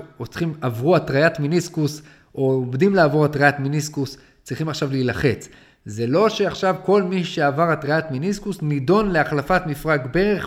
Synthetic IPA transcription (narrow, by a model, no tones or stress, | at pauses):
ot͡sχimavʁuatʁajatminiskus | oomdimlaːvo̞ʁatʁajatminiskus | t͡sʁiχimaχʃavlilaχe̞t͡s | ze̞lo̞ʃe̞aχʃavko̞lmiʃe̞avaʁatʁajatminiskusnido̞nle̞aχlafatmifʁaɡbe̞ʁeχ